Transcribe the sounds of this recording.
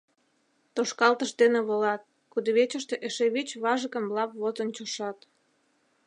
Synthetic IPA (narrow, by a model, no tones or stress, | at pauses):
t̪oʃkɑlt̪əʃd̪eneβolɑt̪̚ | kud̪oβet͡ɕəʃt̪eʔeʃeβit͡ɕβɑʒəɣə̆mblɑpβozənt͡ɕoʃɑt̪